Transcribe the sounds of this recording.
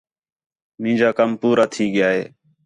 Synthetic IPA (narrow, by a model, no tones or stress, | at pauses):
mĩːd͡ʒaːkəmpuːɾaːt̪ʰiːɠɪjaːɦḛː